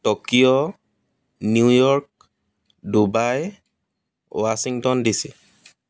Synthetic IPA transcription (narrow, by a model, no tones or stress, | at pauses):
tɔkijɔ | niujɔɹk̚ | dubaj | wasiŋtɔndisi